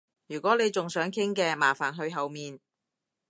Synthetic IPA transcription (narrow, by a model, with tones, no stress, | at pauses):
jyː˨˩kʷɔː˨˥ne˨˧jt͡sʊ˨ŋsœː˨˥ŋkʰɪ˥ŋkɛː˧maː˨˩faː˨˩nɦɵ˧ɥɦɐ˨wmiː˨n